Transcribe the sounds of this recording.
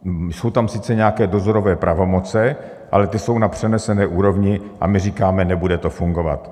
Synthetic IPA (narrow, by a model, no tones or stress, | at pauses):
so̞wt̪amsɪt͡sɛɲɛakɛːdo̞zo̞ɾo̞vɛːpɾʔavo̞mo̞t͡sɛ | ʔa̰lɛt̪ɪso̞wnapr̝̥ɛnɛsɛnɛːʔuːɾo̞vɲɪʔa̰mɪriːkaːmɛnɛbudɛt̪o̞fuŋɡo̞va̰t̪